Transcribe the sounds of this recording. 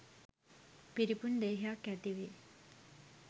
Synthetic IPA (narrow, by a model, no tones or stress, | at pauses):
piɾipund̪eːɦejakæt̪iʋe